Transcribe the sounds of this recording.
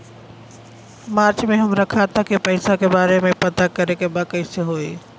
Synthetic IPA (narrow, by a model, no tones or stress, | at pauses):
maːɾt͡ʃmẽɦəmɾəkʰat̪ʰakipəɪsakebaːɾemẽpət̪akɐɾekebakəɪseɦoːi